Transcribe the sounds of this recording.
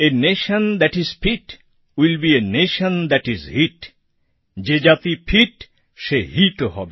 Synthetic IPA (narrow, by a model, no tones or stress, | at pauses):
eneʃə̃nd̪æʈiz̥pʰiʈ | wilbieneʃə̃nd̪æʈizhiʈ | d͡ʒed͡ʒat̪ipʰiʈ | ʃehiʈhɔ̰be